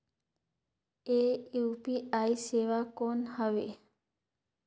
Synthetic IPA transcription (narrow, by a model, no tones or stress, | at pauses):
eupiaiseʋakonhəʋḛ